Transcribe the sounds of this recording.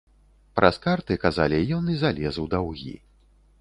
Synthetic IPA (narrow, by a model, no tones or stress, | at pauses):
pɾʔɐskart̪ɨkazalʲijɔnɨzalʲɛzwd̪awɣʲḭ